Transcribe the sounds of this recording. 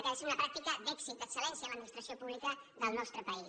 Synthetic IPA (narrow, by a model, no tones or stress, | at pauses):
kaeseunɐpɾak̚t̪ikəd̪ɛksit̪̚d̪əksəlɛnsiəaləd̪minist̪ɾəsiopuβlikəðəlˠnɔst̪ɾəpəi